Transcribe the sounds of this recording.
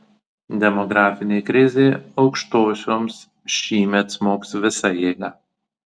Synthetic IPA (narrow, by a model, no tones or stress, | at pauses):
d̪ʲɛmɔɡɾɑːfʲɪnʲeɪkɾʲɪzʲeɪɒʊkʃt̪oːsʲoːms | ʃʲiːmʲɛt̪smoːksʋʲɪsɐjeɡɑ